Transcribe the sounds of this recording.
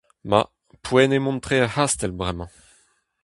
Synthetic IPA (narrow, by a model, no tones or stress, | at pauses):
ma̰ | pʰwɛnemɔ̃nt̪χeahast̪ɛlbʁɛmɑ̃